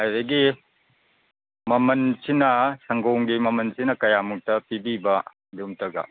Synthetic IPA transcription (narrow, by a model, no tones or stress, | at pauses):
ajɾɐɡi | mɐmɐnsinɐsɐŋɡowŋɡimɐmɐnsinɐkɐjamuk̚tɐpibibɐ | dumtɐɡɐ̰